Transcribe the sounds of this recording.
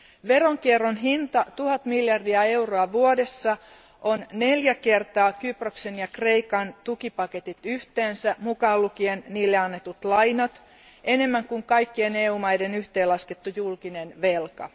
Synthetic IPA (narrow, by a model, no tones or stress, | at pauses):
ʋeroŋkierːonɦint̪ɑt̪uhɑt̪miljɑrdiɑe̞uroɑʋuode̞sːɑ | ʔonne̞ljæke̞rt̪ɑːkyproksenjɑkre̞ikɑnt̪ukipɑket̪it̪yht̪eːnsæmukɑːlːukienniːlːeɑnːet̪ut̪lɑjnɑt̪ | ʔe̞ne̞mːæŋkuŋkɑjkːieneːuːmɑjdenyht̪eːlɑsket̪ːujulkinenʋe̞lkɑ̰